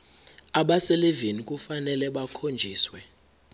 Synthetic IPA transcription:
aɓaselevinikʼufanɛlɛɓakʰond͡ʒʱiːswɛ

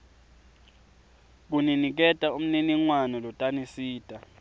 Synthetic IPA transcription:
k̬uninik̬ɛtʼaum̩niniŋwanɔlɔtʼanisiːtʼa

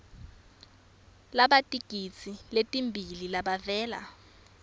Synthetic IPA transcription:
laɓatʼiɡ̥ʱit͡sʰiletʼimbʱililaɓavɛːla̰

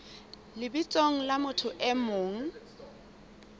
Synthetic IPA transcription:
lɪbit͡sʼoŋ̩lamʊtʰʊʔɛmoːŋ̩

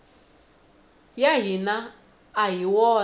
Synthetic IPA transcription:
jaɦinaː | ɦiwɔ

